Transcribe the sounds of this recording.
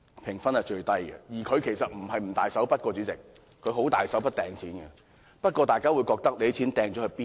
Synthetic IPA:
pʰɪ˨˩ŋfɐ˥nhɐ˨jt͡ʃɵ˧ɥt̪ɐ˥jɡɛ̰˧jiː˨˩kʰɵ˨˧ɥkʰe˨˩jsɐ˨t̚m̩˨˩hɐ˨jm̩˨˩t̪a̰ː˨jsɐ˨˥wpɐ˥t̚kɔː˧t͡ʃy˨˥t͡sɪ˨k̚ | kʰɵ˨˧ɥɦo˨˥wt̪a̰ː˨jsɐ˨˥wpɐ˥t̚t̪ɛː˨ŋt͡sʰiː˨˥nɡɛ̰˧ | pɐ˥t̚kʷɔː˧t̪aː˨jkaː˥wu˨˧jkɔː˧k̚t̪ɐ˥k̚le˨˧˥t͡sʰiː˨˥nt̪ɛː˨˧ŋt͡ʃɔ˨˥hɵ˨˧ɥpiː˥

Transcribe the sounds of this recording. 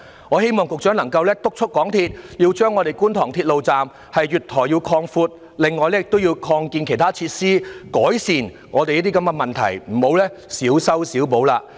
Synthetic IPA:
ŋɔː˨˧he˥jmɔː˨ŋkʊ˨k̚t͡ʃœː˨˥ŋlɐ˨˩ŋkɐ˧wlɛː˥t̪ʊ˥k̚t͡ʃʰʊ˥t̚kːɔː˨˥ŋt̪ʰiː˧t̚jiː˧wt͡ʃœː˥ŋɔ˨˧e˨˩jkuː˥nt̪ʰɔː˨˩ŋt̪ʰiː˧t̚lo˨wt͡saː˨m | hɐ˨jɥyː˨˩t̪ʰɔː˨˩jiː˧wkʰɔː˧ŋfuː˧t̚ | lɪ˨ŋːɔː˨jlɛː˥jɪ˨k̚t̪o˥wji˧wkʰɔː˧ŋkiː˧nkʰe˨˩jt̪ʰaː˥t͡sʰiː˧t̚siː˥kɔː˨˥jsiː˨n | ŋɔː˨˧te˨jiː˥t̪iː˥kɐ˨˧˥mɡɛ˧mɐ˨nt̪ʰɐ̰˨˩jm̩˨˩ho˨˧wlɛː˥siː˨˥wsɐ˥wsiː˨˥wpo˨˥wlaː˧

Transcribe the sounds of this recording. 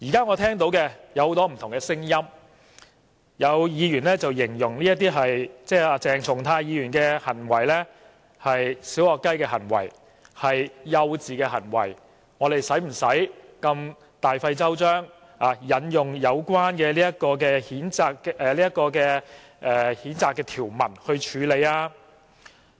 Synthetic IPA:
jiː˨˩kaː˥ŋɔː˨˧t̪ʰɛː˥ŋt̪̬o˨˥wkɛ˧jɐ˨˧who˨˥wt̪ɔː˥m̩˨˩t̪ʰʊ˨˩ŋkɛ˧sɪ˥ŋjɐ˥m | jɐ˨˧wjiː˨˧ɥyː˨˩nlɛː˥t͡sɐ˨wjɪ˨˩ŋjʊ˨˩ŋliː˥jɐ˥t̪iː˥ɦɐ˨jt͡sɛː˥˩aː˧t͡sɛː˨ŋt͡sʰʊ˨˩ŋt̪ʰaː˧jiː˨˧jyː˨˩nkɛː˧hɐ˨˩nwɐ˨˩jlɛː˥ | hɐ˨jsiː˨˥wɔː˨˩kːɐ˥jkɛː˧ɦɐ˨˩nwɐ̰˨˩j | hɐ˨jːɐ˧wt͡siː˨kɛː˧ɦɐ˨˩nwɐ̰˨˩j | ŋɔː˨˧d̪e˨jsɐ˨˥jm̩˨˩sɐ˨˥jkɐ˧m | t̪aː˨jfɐ˧jt͡sɐ˥wt͡ʃœː˥ŋ | aː˨˧jɐ˨˧njʊ˨˩ŋjɐ˨˧wkwaː˥nkɛː˧liː˥jɐ˥t̚kɔː˧k̬ɛː˧hiː˨˥nt͡saː˧kɛ˨˧liː˥jɐ˥t̚kːɔː˧kɛː˧ | ʔɛː˧hiː˨˥nt͡saː˨˧kːɛː˧t̪ʰiː˨˩wmɐ̰˨˩nhɵ˧ɥt͡ʃʰyː˨˧le˨˧jaː˧

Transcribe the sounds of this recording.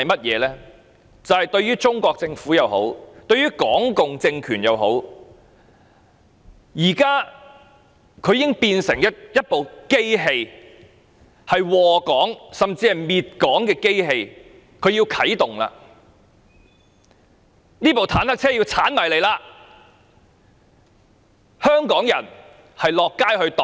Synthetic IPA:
ɐ˨jmɐ˥t̚jɛ̰ː˨˧lɛː˥ | t͡sɐ˨whɐ˨˩jt̪ɵ˧ɥyː˥t͡ʃʊ˥ŋkʷɔː˧k̚t͡sɪ˧ŋfuː˨˥jɐ˨˧who̰˨˥wt̪ɵ˧ɥyː˥kɔː˨˥ŋkʊ˨ŋt͡sɪ˧ŋkʰyː˨˩njɐ̰˨˧wɦo̰˨˥w | jiː˨˩kaː˥ | kʰɵ˨˧ɥji˦˥ŋpiː˧nsɪ˨˩ŋjɐ˥jɐ˥t̚po˨wke˥jɦe˧j | hɐ˨jwɔː˨˩kɔː˨˥ŋsɐ˨mt͡siː˧hɐ˨˩miː˨˧t̚kɔː˨˥ŋkɛː˧ke˥jɦe˧j | kʰɵ˨˧ɥji˧wkʰɐ˨˥jt̪ʊ˨ŋla̰ː˧ | niː˥po˨wt̪ʰaː˨˥nhɐ˥k̚t͡sʰɛː˥jiː˧wt͡sʰaː˨˥nmɐ˨jle˨˧jlaː˧ | hœː˥ŋkɔː˨˥ŋjɐ˨˩n | hɐ˨jlɔː˨kːaː˥jhɵ˧ɥt̪

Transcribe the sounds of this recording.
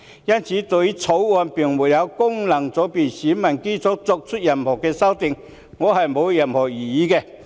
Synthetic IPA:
jɐ˥nt͡sʰiː˨˥t̪o˨ji˥t͡sʰo˨˧˥wɔ˧npi˨˩ŋmu˨˩jɐ˨˧wkʊ˥˩ŋlɐ˨˩ŋt͡sɔ˨˥pi˨˩ɕiː˨˥mɐ˨˩nki˥t͡sʊ˨˥k̚t͡sʊ˧k̚t͡sʰu˥t̚jɐ˨˩nhɔː˨˩kɛː˧sɐ˥wt̪ɪ˨ŋ | ŋɔː˨˧hɐ˨jmo˨˧wjɐ˨˩nhɔː˨˩jiː˨˩jiː˨˥kɛ˧

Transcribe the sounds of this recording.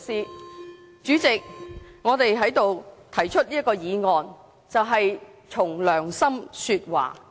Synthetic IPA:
siː˨˧ | t͡ʃyː˨˥t͡sɪ˨k̚ŋɔː˨˧t̪e˨jɦɐ˨˥jt̪o˨wt̪ʰɐ˨˩jt͡ʃʰɵ˥t̚liː˥tkɔː˧jiː˨˧ŋɔː˨n | t͡sɐ˨wɦɐ˨j | t͡sʰʊ˨˩ŋlœː˨˩ŋsɐ˥msyː˧t̚wa̰ː˨˩

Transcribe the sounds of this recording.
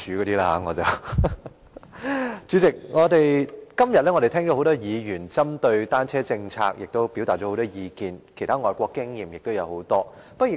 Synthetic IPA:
yː˨˧kɔː˨˧t̪iː˥laː˥ha̰ː˨˥ŋɔː˨˧t͡sɐ˨˩w | t͡ʃyː˨˥t͡sɪ˨k̚ŋɔː˨˧t̪e˨jkɐ˥mjɐ˨t̚lɛː˥ŋɔ˨˧ɾe˨˩t̪ʰɛː˥ŋt͡ʃɔ˨˧ɦo˨˥wt̪ɔː˥jiː˨˧jyː˨˩nt͡sɐ˥mt̪ɵ˧ɥt̪aː˥nt͡sʰɛː˥t͡sɪ˧ŋt͡sʰa̰ː˧k̚jɪ˨k̚t̪o˥wpi˨˥wt̪aː˨˩ɔ˨˥ho˨˥t̪ɔː˥jiː˨˧kiː˧nkʰt̪ʰaː˥ŋɔː˨jkʷɔː˧kːɪ˥ŋjiː˨mjɪ˨k̚t̪o˥wjɐ˨˧who˨˧˥wt̪ɔː˥ | pɐ˥jɪ˨˩

